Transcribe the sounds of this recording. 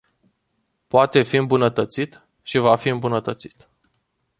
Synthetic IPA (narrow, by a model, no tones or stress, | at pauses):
poat̪e̞fiɨmbunət̪ət̪sit̪ | ʃivafiɨmbunət̪ət̪si̥t̪